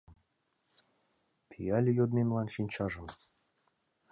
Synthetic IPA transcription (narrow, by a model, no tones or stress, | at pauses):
pʲʰijɑlʲjod̪mʲemʲlˠɑnʃinʲt͡ɕɑʐɤ̆m